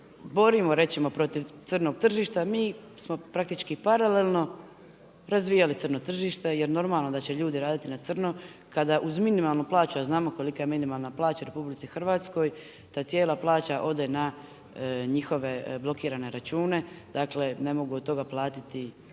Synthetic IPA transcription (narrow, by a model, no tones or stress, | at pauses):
bo̞ɾimo̞ɾe̞t̪simo̞pɾo̞t̪iʋt̪srno̞ɡ̚t̪r̩ʒiːʃt̪amiːsmo̞pɾak̚t̪it͡ʃkipaɾale̞lno̞ | ɾazʋijalit̪sɨrno̞t̪r̩ʒiːʃt̪e̞je̞ɾno̞ɾmaːlˠno̞d̪at͡ɕe̞ʎuːd̪iɾaːd̪it̪inat̪srno | kad̪aʔuzminimaːlˠnuplaːt͡ʃuaznaːmo̞ko̞likaje̞minimalˠnaplˠaːt͡ɕaɾe̞publit̪sixr̩ʋaːt̪sko̞j | t̪aːt̪sje̞ːlˠaplˠaːt͡ɕaʔo̞d̪e̞na | ɲixo̞ʋe̞blˠo̞kiːɾane̞ɾat͡ʃuːne̞d̪̥aːkle̞ne̞mo̞ɡuod̪t̪o̞ɡaplˠaːt̪it̪i